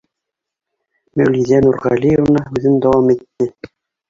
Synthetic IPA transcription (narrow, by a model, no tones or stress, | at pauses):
mæwlʲiðænurʁɑlʲijəvnɑʉðɘnd̪ɑwɑmit̪ːɘ